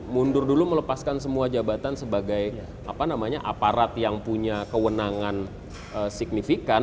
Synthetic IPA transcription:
mundʊrdulumələpaskansəmuad͡ʒabat̪ansəbaɡaj | ʔa̰panamaɲaʔapaɾat̪jaŋpuɲakəwənaŋan | əsik̚nifikan

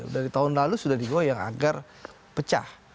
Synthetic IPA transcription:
daɾit̪aʊnlalusudahdiɡoajaŋa̰ɡar | pət͡ʃa̰h

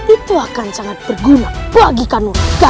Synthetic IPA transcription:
it̪uakansaŋat̪̚bərɡunapuaɡikanurka

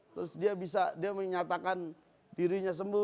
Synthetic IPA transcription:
t̪ɾʊsdiabis̬adiaməɲat̪akan | diɾiɲas̬əmbu

